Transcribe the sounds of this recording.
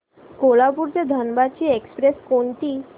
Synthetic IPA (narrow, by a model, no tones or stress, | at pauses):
kolapuɾt͡ɕed̪ʱənbat͡ɕiːekspɾeskont̪iː